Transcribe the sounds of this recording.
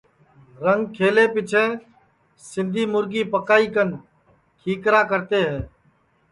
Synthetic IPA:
ɾəŋɡkʰeːleːpɪt͡ʃʰẽː | sɪ̃nd̪ʱiːmʊɾɡiːpəkaːiːkən | kʰiːkɾaːkəɾt̪eːɦɛː

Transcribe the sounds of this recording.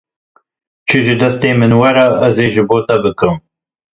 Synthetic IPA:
t͡ʃʰɨʒɨd̪ɐst̪eːmɨnwɐɾɑʔɐzeːʒɨboːt̪ɐbɨkɨm

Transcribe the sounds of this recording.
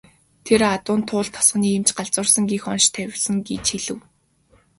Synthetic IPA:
t̪ʰerat̪ʊːnt̪ʰʊːɮt̪ʰːɔ̥sχ̆niːemt͡ɕɢaɮt͡sʊ̆ːrsə̆ŋɡiːxɔnʃt̪ʰæwʲɪ̆ɮsə̆ŋɡet͡ɕxiɮɘ̆w

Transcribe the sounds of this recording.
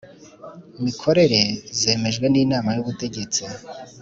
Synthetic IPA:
imikʰo̞ɾe̞ɾe̞ze̞ːme̞ʒɡwe̞niːnaːmajuβute̞ɟe̞t͡si

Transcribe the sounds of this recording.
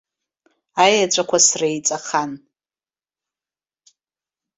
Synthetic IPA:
ajat͡ʃʷʼakʷʰasrajt͡sʼaχan

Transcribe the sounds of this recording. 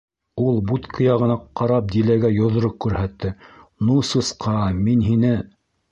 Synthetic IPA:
ulˠbut̪kʰɤ̆jɑʁɤ̆nɑqɑɾɑp̚d̪ilæɡæjŏðŏɾoq̚kʉɾhæt̪ːɘnusɤ̆sqʰɑminɦinɘ

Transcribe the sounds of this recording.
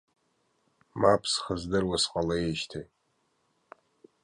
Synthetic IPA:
mapʰsχəzdɨrwasqʼalajeʃtʰej

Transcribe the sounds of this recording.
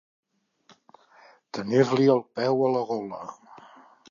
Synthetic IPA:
t̪əniɾliəlˠpɛwələɣɔlə

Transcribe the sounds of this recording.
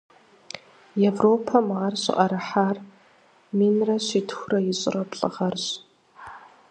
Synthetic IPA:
evroːpʰɐmaːrɕɪ̰ʔʼɐɾɐħaːr | minrɐɕʷitʰxʷrɐjɪɕʼɪrɐpɬʼɨ̰ʁɐrɕʼ

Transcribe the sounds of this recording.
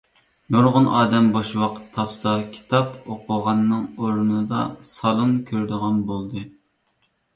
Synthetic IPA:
noɾʁʊnʔɑːd̪ɛmboʃwɑqʰə̥t̪ʰːɑpsɑkʲʰi̥t̪ʰɑpoqʰʊʁɑnːɨŋoɾnɨd̪ɑ̰sɑlˠɨnkʲʰøɾd̪ɨʁɑnbolˠd̪ɨ

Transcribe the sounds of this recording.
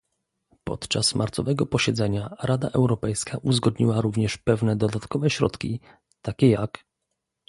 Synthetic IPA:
pɔ̰t̪t͡ʂasmʔaɾt̪sɔ̰vɛɡɔpɔɕɛd̪zɛɲaɾad̪aʔɛwɾɔpɛjskaʔuzɡɔd̪ɲiwaɾuvɲɛʂpɛvnɛd̪ɔd̪at̪kɔvɛɕɾɔ̰t̪kʲi | t̪akʲɛjak

